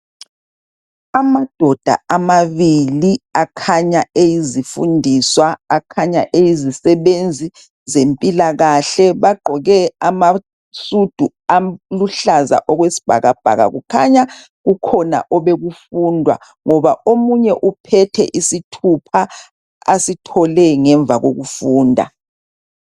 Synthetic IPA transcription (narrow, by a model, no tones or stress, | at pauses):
amad̥ʱɔd̥ʱa̰amaβiliakʰaɲaejizifṵndʱiswaːkʰaɲa̰ʔejizisɛβend͡zʱi | zempʼilaɣaɬɛβaɡ͡ǃʱɔɣɛama | sud̥ʱu | aluɬaza̰ʔɔɣwesi̥b̥ʱa̰ɣab̥ʱa̰ɣa̰ɣṵkʰa̰ɲa | ɣukʰɔna̰ʔɔβeɣufuːndʱwa̰ | ŋɔβaʔomuɲɛʔupʰɛtʰɛ̰ʔisitʰupʰa | a̰sitʰɔlɛŋɛɱvʱaɣo̰ɣufuːndʱa̰